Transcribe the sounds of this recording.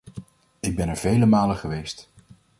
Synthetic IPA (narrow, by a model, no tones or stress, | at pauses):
ɪɡ̚bɛnɛɹvejləmaːləχəʋejst